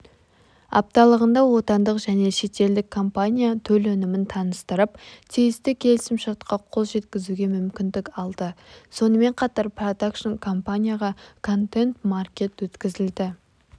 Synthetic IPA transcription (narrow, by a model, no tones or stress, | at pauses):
ɑ̰p̚t̪ɑlˠəʁənd̪ɑwo̞t̪ɑnd̪əqʒæne̞ʃe̞t̪e̞ld̪ɪkʰːo̞mpanʲijat̪ʰɵlɵnɪmɪnt̪ʰɑnəst̪əɾəpt̪ʰijɪst̪ɪkʲʰe̞lɪsɪmʃɑɾt̪qɑqʰo̞lˠʒe̞t̪kʲɪzuɡʲe̞mʏmkʲɪnd̪ɪkɑlˠd̪əso̞nəme̞ɴqʰɑt̪ɑɾprod̪akʃonkʰo̞mpanʲijaʁɑkʰo̞nt̪e̞nt̪markʲe̞t̪wɵt̪kʲɪzɪld̪ɪ